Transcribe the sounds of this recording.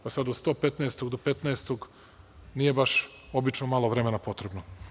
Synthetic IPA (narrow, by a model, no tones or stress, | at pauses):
pasad̪ot̪st̪o̞ːpet̪naest̪oɡd̪opet̪naest̪oɡ | nije̞baʃ | o̞bit͡ʃnomalˠoʋɾe̞menapo̞t̪ɾebno